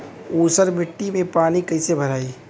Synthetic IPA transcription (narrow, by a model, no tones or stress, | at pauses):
uːsəɾmɪʈːimẽpaːnikɐɪsebʱɐɾaːiː